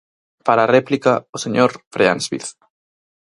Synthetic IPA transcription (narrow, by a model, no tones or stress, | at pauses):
paɾarɛplikaoseɲoɾfɾʔeansβḭθ